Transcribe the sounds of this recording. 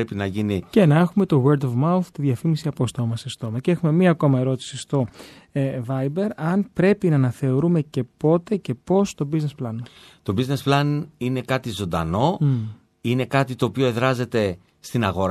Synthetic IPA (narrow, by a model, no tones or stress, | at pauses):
epinɐʝinice̞nɐexume̞t̪o̞ɣeɾd̪ovmɐuθt̪iðʝɐfimisiɐpost̪o̞mɐsest̪o̞mɐcee̞xume̞miɐːko̞mɐe̞ɾo̞t̪i̥sist̪o̞ | vɐjbe̞ɾɐnpɾe̞pinɐːnɐθe̞o̞ɾume̞ce̞po̞t̪e̞ce̞po̞st̪o̞bizne̞splɐnɐt̪o̞bizne̞splɐnine̞kɐt̪izo̞nd̪ɐ̰no̞ | ine̞kɐt̪it̪o̞ːpioe̞ðɾɐze̞t̪e̞ | st̪inɐɣo̞ɾ